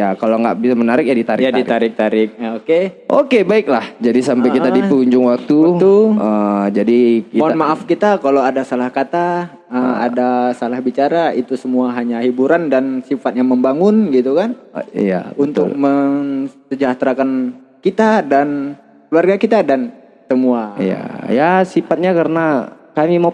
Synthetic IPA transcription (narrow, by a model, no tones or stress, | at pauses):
jakaloŋɡa̰ʔbisamənaɾɪk̚jadit̪aɾɪjadit̪aɾɪk̚t̪aɾɪk̚oke | ʔokebaɪklahd͡ʒadisampajkit̪adipuɲd͡ʒʊŋwak̚t̪uuəd͡ʒadikimnmaʔafkit̪akalowadasalahkat̪a | əma̰dasalahbit͡ʃaɾait̪usəmuaɦaɲaɦibuɾandansifat̪̚ɲaməmbaŋʊnɡit̪ukanḭja̰unt̪ʊ̰k̚məsəd͡ʒaht̪ɾakan | kit̪adan | kluarɡakit̪adan | səmuaija̰jasifat̪̚ɲakaɾəna | kamima